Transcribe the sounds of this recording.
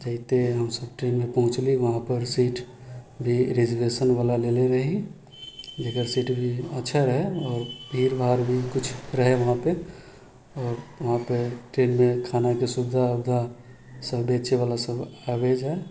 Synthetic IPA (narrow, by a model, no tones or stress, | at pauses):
d͡ʒəɪt̪eɦəmsəb̚ʈɾeːnmẽpəɦʊ̃t͡ʃliʋəɦãpəɾsiːʈbʱiɾed͡ʒəʋesənʋaːlaleleɾəɦi | d͡ʒekəɾsiːʈbʱiətːʃʰaɾəɦeɔːɾbʱiːɾbʱaːɾbʱikʊt͡ʃʰɾəɦeʋəɦãpe | ɔːɾʋɐɦãpeʈɾeːnmẽkʰaːnakesʊbɪd̪ʱaəbd̪ʱa | səbbeːt͡ʃeʋaːlasəbaʋed͡ʒɦɛ